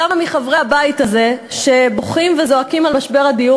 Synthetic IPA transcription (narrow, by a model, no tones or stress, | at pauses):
amamiχavʁeabaitaze̞ʃe̞boχimvezo̞akimalmaʃbe̞ʁadiu